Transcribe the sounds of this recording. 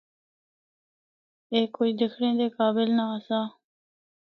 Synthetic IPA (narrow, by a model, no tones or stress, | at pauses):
eːkːoːiːd̪ɪkʰɽẽːd̪eːkaːbɪlnaəsaː